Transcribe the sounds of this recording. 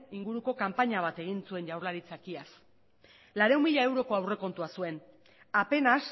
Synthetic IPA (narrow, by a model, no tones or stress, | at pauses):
iŋɡuɾuko̞kampaɲaβ̞at̪e̞ɣ̞insue̞nʝawɾlaɾit͡sakias | laɾe̞uwmiʎae̞wɾo̞ko̞awre̞ko̞nt̪uasue̞n | ape̞nas